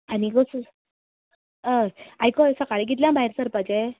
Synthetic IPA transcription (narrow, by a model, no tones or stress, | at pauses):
aniɡot͡s | əajkɔjsəkaɭeɡit̪̬ljãbaɦeɾsəɾpad͡ʑe